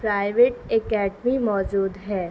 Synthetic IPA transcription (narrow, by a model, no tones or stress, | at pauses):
pɾaːɪʋeːʈekɛːɖmimɔːd͡ʒuːd̪ɦɛː